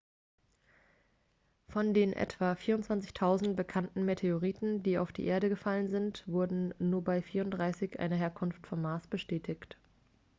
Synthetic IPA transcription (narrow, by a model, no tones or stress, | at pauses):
fɔndeːnʔɛ̰tv̥afiːɐʊntt͡sv̥ant͡sɪçtʰaʊzn̩t̚b̥əkʰantn̩metʰeoʁiːtn̩diːa̰ʊfd̥ḭːʔeːɐɾəɡəfalənzɪntv̥ʊɐdn̩nuːɐbaɪfiːɐʊnt̚d̥ʁaɪsɪçʔa̰ɪnəɦeːɐkʰʊnftfɔmːaːsb̥əʃtɛːtʰɪçt